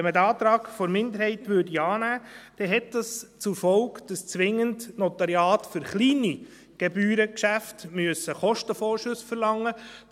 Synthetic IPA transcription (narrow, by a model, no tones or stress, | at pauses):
ɛmːədɑːt̪ɾɑːɡfɔɾmɪnd̪əɾhɛɪtʋʏrdiɑːnæːd̥ɛɦɛt̚d̥ɑst͡sʊɾfɔʊkd̥ɑst͡sʋɪŋːəntnɔt̪ɑɾjɑːtfʏɾχliːni | ɡ̥ɛbyːɾəkʃæftmyəsəχɔʃtəfɔːɾʃɵsfəɾlɑŋːə